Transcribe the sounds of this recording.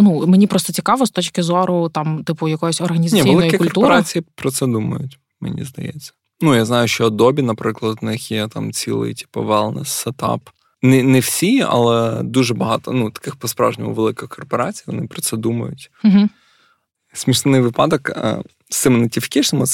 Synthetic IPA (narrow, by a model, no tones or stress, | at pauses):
numenʲipɾɔst̪ɔt͡sʲikɑʋɔst̪ɔt͡ʃkɪzɔɾʊt̪ɑmt̪ɪpʊjɐkɔjɔsʲɔrɦɐnʲiznɐiʋʲielˠɪjkʲikʊklɔrt̪upɔɾat͡sʲijipɾɔt̪sɛd̪umɐ̰jʊ̰tʲ | mḛnʲḭzd̪ɐ̰jɛ̰t͡sʲːɐ̥ | nujaznɑjʊʃt͡ʃɔːd̪ɔbʲinɐpɾɪklˠɐd̪nɪxjɛt̪ɑmt͡sʲḭlˠɪ̰jtʲi̥pɐʋɛlˠnɛ̰sːɛt̪ɑ̰p | nɪnɛwsʲiɐ̰lˠɛd̪uʒɛbɐɦɑt̪ɔ̰nut̪ɐ̥kɪxpɔspɾɑ̰ʒnʲɪmʊ̰ʋelˠɪkɪxkʰɔrpɔɾɑt͡sʲijʋɔnɪpɾɔt̪sɛd̪umɐ̰jʊ̰t̩ʲ | ɦ̩ | sʲmʲiʃnɪnɪjʋɪpɑd̪ɔkə̰ | sɪmnɐtʲifʲkʲɪʃnɪmʊ